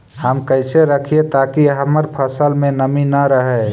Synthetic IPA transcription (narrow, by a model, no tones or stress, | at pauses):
həmkəɪseɾəkʰiet̪akiɦəməɾpʰəsəlmẽnəminəɾəɦɛ